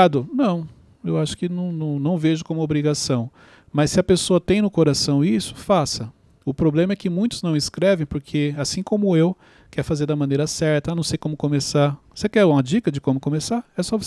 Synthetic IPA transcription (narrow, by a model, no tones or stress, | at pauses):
ad̪ʊnɐ̃w̃ | ewaʃʊ̥kɪnɐ̃w̃nɐ̃w̃nɐ̃w̃veʒʊkõmʊobɾiɡasɐ̃w̃ | mɐssɪɐpesoɐt̪ẽj̃nʊkoɾasɐ̃w̃isʊ̥fasɐ | ʊpɾoblẽmɐɛkɪmũj̃t̪ʊznɐ̃w̃ɪskɾɛvẽj̃poɾkʰeasĩkõmʊew | kɛɾfazeɾd̪ɐmɐ̃nejɾɐsɛɾt̪ɐanɐ̃w̃sejkõmʊkõmesaɾosekɛɾũmɐd͡ʒikɐd͡ʒɪkõmʊkõmesaɾɛsɔv